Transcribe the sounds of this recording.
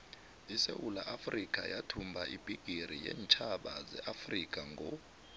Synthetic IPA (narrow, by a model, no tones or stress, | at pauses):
isewulaʔafrikʼa̰jatʰumbʱaʔib̥ʱiɡ̥ʱiɾijɛ̰ːnt͡ʃʰʼaɓazɛʔafrikʼaŋɡʱɔ